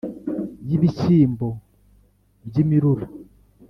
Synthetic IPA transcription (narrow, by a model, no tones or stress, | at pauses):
jiβit͡ʃiːmbo | bjimiɾuɾi